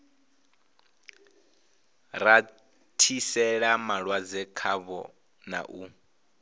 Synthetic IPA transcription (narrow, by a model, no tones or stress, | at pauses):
ɾa | tʰisɛɺamaɺwad͡zɛkʰaβɔ̰ | na̰ʔu